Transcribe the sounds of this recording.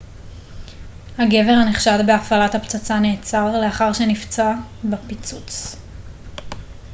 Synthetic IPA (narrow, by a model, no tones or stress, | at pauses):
haɡe̞ve̞ʁhaneχʃadbeafalathapt͡sat͡sane̞ːt͡saʁleaχaʁʃenift͡sabapit͡sut͡s